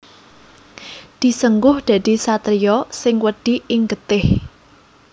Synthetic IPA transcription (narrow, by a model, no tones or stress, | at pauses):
d̪̥i̤səŋɡʊhd̪̥ä̤d̪̥i̤sat̪ɾijɔsɪŋwəɖ̥i̤ɪŋɡət̪ɪh